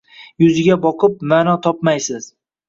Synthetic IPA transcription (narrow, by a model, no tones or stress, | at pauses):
jʊzɪɡʲabɒqʰɨp̚maːnɒt̪ʰɒpmajsɪz̥